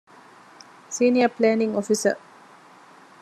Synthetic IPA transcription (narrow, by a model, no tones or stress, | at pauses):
siːniəplæːniŋofisə̰